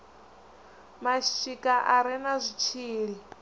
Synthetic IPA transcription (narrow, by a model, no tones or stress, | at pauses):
maʃit͡ʃikʼaʔaɾɛnazʷit͡ʃʰiːɺi